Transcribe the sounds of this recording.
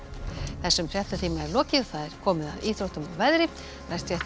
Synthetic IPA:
θɛsːʏmfjɛht̪at̪ʰiːmaɛɾlɔːcɪθaðɛɾ̥kʰɔːmɪðaðiːt̪ɾowht̪ʏmavɛðɾɪ | nɛst̪jɛt̪

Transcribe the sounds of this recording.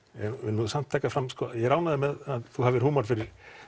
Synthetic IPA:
ɛnɛnːuðsam̥t̪ʰɛkafɾamskɔjɛɣɾaːwnaðɪmɛðaθuhavɪɾhuːmaɾ̥fɪɾɪɾ̥

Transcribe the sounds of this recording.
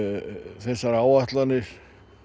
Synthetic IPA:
θɛsːaɾaːwaht̪lanːɪɾ̥

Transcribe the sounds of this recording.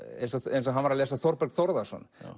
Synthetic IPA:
ɛ̰nsɔɛ̰jnsɔɦanvaɾaleːsaθɔɾpɛɾkθɔɾðasɔ̰n

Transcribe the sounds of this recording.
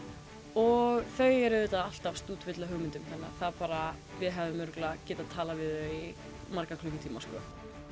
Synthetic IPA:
ɔɣθœːɥjɛɾɪðɪt̪aðal̥t̪afst̪uːt̪vɪt̪laɦœɣmɪnt̪ʏmθɛnːa̰θaðpaːɾa | vɪðɦɛvɪmːʏɾklacɪːt̪aðt̪ʰːaːlavɪðœi | maɾkakʰlʏkɪt̪ʰiːmaskɔ̰

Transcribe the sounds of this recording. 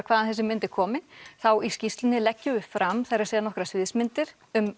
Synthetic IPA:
kʰvaːðanθɛs̬ɪmɪnt̪ɪ̥kʰɔːmɪnθawiscist̪lɪnːɪlɛcːʏʏfɾʔamθɛɾḁsɛːðanɔhkɾasvɪðsmɪnt̪ɪɾ̥ | ʏm

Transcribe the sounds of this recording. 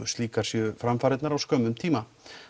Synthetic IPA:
ʏst̪liːkaɾ̥sjʏfɾamfaːɾɪt̪naɾawskœːmʏmt̪ʰiːma

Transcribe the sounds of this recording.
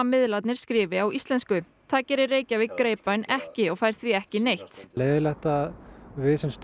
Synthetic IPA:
amɪðlat̪nɪɾ̥skɾɪːvɪawʔist̪lɛnskʏ | θaðcɛːɾɪrːeːjcavɪðkɾeːjpanɛhcɪɔɣfaːjɾ̥θviɛhcɪnejht̪leːðɪlɛht̪aðvɪːsɛnst̪

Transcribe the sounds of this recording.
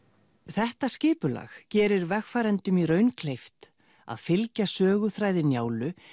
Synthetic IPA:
θɛht̪ascɪːpʏla̰ːxcɛːɾɪɾvɛxfaːɾɛnt̪ʏmiɾœːɥnkʰlejft̪ | a̰ðfɪlcasœːɣʏθɾaːjðɪnjaːwlʏ

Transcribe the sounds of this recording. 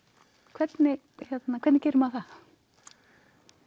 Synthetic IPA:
kʰvɛt̪nɪ | hjɛt̪nakʰvɛt̪nɪcɛːjɾʏmaθað

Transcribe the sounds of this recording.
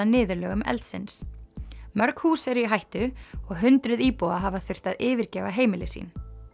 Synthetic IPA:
anɪːðʏɾlœːɣʏmɛ̰lt̪sɪ̰ns | mœɾkhuːsɛɾʏiɦajht̪ʏɔɣɦʏnt̪ɾʏðiːpowaɦavaθʏr̥t̪aðɪːvɪɾcɛːvaɦeːjmɪlɪsḭːn

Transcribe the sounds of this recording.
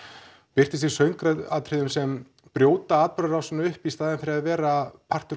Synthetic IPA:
pɪr̥t̪ɪst̪isœɥŋkɾaat̪ʰɾɪðʏmsɛm | pɾjoːwt̪aaːt̪̚pʏɾʏɾawsɛnaʏhpist̪aːðɪnfɪɾɪaðvɛːɾapʰar̥t̪ʏ

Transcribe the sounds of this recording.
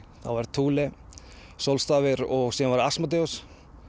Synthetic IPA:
θa̰vaɾt̪ʰuːlɪ | sowlst̪aːvɪɾɔɣsɛanvaɾasmat̪̬eɔs

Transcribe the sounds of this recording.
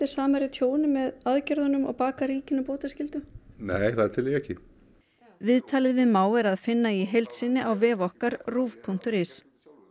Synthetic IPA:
ɪ̥saːmaɾɪt̪ʰjoːwnɪmɛðaðcɛɾðʏnʏmɔ̰ɣpaːkaɾiːcɪnapoːt̪ascɪlt̪ʏneːjθaðt̪ʰɪlɪɛhcɪ | vɪðt̪ʰaːlɪðvɪðmaːwɛɾaðfɪnːaiɦejlt̪sɪnːɪʔawvɛːvɔhkaɾruːvpʰuŋ̥t̪ʏɾɪs

